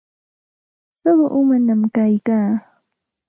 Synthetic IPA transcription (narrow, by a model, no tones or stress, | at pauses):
sawaʔʊmanamkajkaː